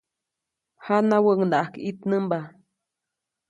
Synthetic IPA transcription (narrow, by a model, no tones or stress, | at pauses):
hanawəʔŋnaʔakit̪nɨmba